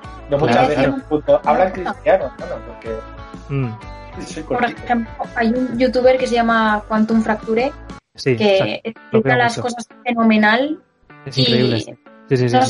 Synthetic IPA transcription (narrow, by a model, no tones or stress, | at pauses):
nomut͡ʃaβeunt̪oʔaβɾaeŋkɾit̪janoanopoɾke | skopoɾempoajunʝut̪uβeɾkeseʝamakwant̪uɱfɾak̚t̪uɾesikeesplik̪alasosasfe̞nomenal | esiŋkɾeiβlḛsisisaa